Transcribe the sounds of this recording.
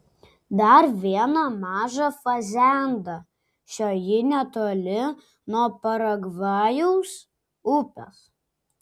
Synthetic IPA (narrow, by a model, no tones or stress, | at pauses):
d̪ɐɾʋʲiɛnɐmɑːʒɐfɐzʲæˑnd̪ɐ | ʃʲoːjɪnʲɛt̪olʲɪ | nuɔpɐɾɐɡʋɑːjuʊs | ʊpʲo̰s